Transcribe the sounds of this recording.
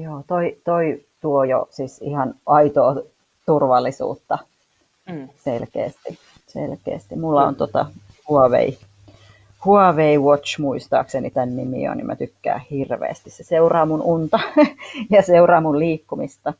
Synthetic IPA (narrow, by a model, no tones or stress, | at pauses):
joːt̪oit̪oit̪uojo̰sisihɑnʔɑit̪oː | t̪urʋɑlːisṵːt̪ːɑ | selkḛːst̪i | sḛlkḛːst̪imulːɑo̰nt̪ot̪ɑ̰ | huɑʋḛi | huɑʋeiwot͡ʃmuist̪ɑ̰ːksenit̪ænnimḭo̰ːnḭmæ̰t̪ykːæ̰ːhirʋḛːst̪isseseurɑːmununt̪ɑjɑseurɑːmulliːkːumist̪ɑ